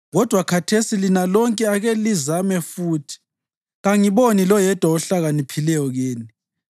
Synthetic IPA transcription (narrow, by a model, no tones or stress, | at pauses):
ɣɔd̥ʱwakʰatʰesilinalɔŋkʼɛaɣɛlizamɛfuːtʰi̥ | ɣaŋiβonilɔjɛd̥ʱwaɔɬaɣanipʰilɛjɔɣeːni